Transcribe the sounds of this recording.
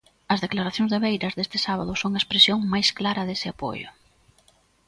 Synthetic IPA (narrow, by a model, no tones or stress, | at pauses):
ɐzðeklaɾaθjõŋzðeβejɾɐzðest̪ɪ̥saβɐðʊsoŋɐespɾesjoŋmajsklaɾɐðesɪapo̰jʊ̰